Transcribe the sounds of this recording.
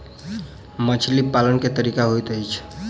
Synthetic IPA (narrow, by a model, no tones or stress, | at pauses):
mət͡ʃʰlipalənket̪əɾikaɦojt̪əjt͡ʃʰ